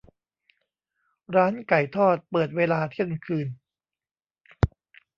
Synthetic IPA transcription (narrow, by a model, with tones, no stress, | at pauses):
ɾaː˦˥nka˨˩jt̪ʰɔː˥˩t̪̚pɤː˨˩t̪̚weː˧laː˧t̪ʰi˥˩ənkʰɯː˧n